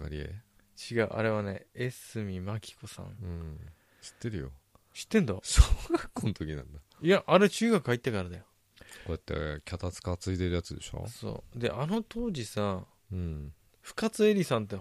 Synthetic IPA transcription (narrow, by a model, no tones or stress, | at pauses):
ɡa̰ɾʲiḛ | t͡ɕiɡaɯ̟ʔa̰ɾe̞βane̞̰esɨmʲimakʲʰi̥kosã̰ŋɯ̃ | ɕi̥t̪ːe̞ɾɯ̟jo̞̰ | ɕi̥t̪ːẽ̞nd̪asoɡakːonot̪o̞kʲinã̰nd̪a | iaʔːɾet͡ɕɨːɡakɯ̟hait̪ːekaɾad̪ajo | kojat̪ːḛkʲat̪at͡sɨ̥kat͡sɨit̪e̞ɾɯ̟jat͡sɨd̪e̞̰ɕo̰so̰ːd̪e̞̰ʔano̞t̪o̞ːʑisa | ɯ̃ | ɸɯ̟̥kat͡sɨe̞ɾʲisãnt̪̬e